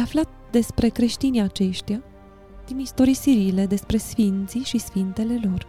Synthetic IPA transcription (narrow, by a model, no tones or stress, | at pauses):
aflat̪̚ | d̪e̞spɾe̞kɾe̞ʃt̪iniat͡ʃe̞ʃt̪ija | d̪̥inist̪o̞ɾijsiɾile̞d̪e̞spɾe̞sfint̪siʃisfint̪e̞le̞lo̞r